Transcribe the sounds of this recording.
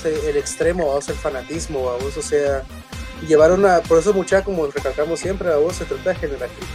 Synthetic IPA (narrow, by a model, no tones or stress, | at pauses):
seːlekst̪ɾe̞moaoselfanat̪izmoaβososea | ʝe̞βaɾunapo̞ɾes̬omut͡ʃakomorekalkamosːje̞mpɾeβaβoset̪ɾot̪aexeneɾao